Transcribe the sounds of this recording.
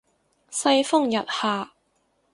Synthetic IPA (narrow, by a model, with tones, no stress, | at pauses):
sɐ˧jfʊ˥˩ŋjɐ˨t̚haː˨˩